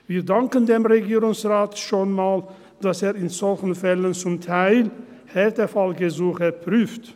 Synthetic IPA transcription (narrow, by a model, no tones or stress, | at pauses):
viːdaŋkəndeːmʁeɡiːʁʊŋsʁaːtʃoːnmaːl | d̥aseːɪnzɔlçn̩fɛlənt͡sʊmtʰaɪl | hɛltəfalɡəzuːxəpʁyːft